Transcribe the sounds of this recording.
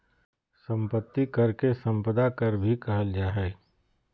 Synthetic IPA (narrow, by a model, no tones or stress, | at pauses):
sə̃mpət̪ːikɐɾkesɐ̃mpəd̪akɐɾbʱikɐɦəld͡ʒaːɦɛː